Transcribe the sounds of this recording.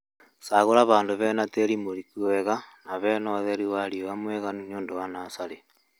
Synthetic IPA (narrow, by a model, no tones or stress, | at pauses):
saɣoɾaβaːndoβɛnateɾimoɾikuwɛɣanaβɛnɔðeɾiwaɾiowamwɛɣanuɲoːndowanasaɾe